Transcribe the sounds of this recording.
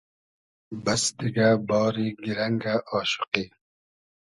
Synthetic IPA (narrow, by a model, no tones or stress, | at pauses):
bɐsd̪iɡabɔːɾiɡiɾɐŋɡaʔɔːʃu̥qiː